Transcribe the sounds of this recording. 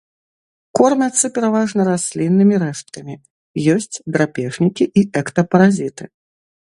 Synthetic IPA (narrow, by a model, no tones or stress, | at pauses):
kɔrmʲat̪sɨpʲɛɾavaʐnɐɾasʲlʲinːɨmʲiɾɛʂt̪kɐmʲi | jɔsʲt͡sʲd̪ɾapʲɛʐnʲikʲiʔiʔɛkt̪ɐpɐɾazʲit̪ɨ